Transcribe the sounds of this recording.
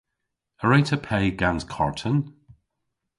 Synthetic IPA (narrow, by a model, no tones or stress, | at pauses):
əɹaɪtʰəpʰeɪɡãnz̥kʰɔɹtʰə̃n